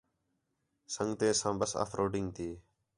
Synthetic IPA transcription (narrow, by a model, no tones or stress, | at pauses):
səŋɡt̪eːsãːbəsa̰ːfʰɾʔoːɖɪŋɡt̪ʰiː